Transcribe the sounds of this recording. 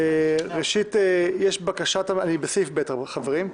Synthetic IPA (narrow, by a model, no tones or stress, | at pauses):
ʁeʃit̪ejeʃbakaʃat̪aanibesifbet̪abeχaveʁim